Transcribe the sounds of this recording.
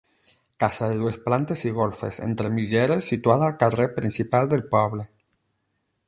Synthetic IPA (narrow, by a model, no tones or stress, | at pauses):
kasaðe̞ðwesplant̪e̞siɣo̞lfe̞̰sḛnt̪ɾe̞miʝeɾesːit̪waðaːlkarepɾinsipald̪e̞lpaβle